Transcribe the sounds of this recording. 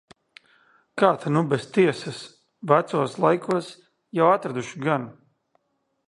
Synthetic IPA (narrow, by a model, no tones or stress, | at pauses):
kaːt̪anubɛst̪iɛsas | væt̪suɔslˠajkʰuɔs | jawat̪ɾad̪uʃiɡan